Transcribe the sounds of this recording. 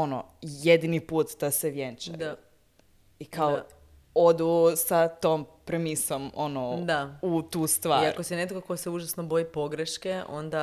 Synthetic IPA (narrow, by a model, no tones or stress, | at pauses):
o̞no̰jed̪inipuːt̪d̪aseʋjent͡ʃaa | ikao | o̞d̪usat̪oːmpɾemiso̞monod̪aut̪uːst̪ʋaːiaɾkosenet̪koko̞seuʒasnobo̞jipo̞ɡɾeʃkeo̰nd̪a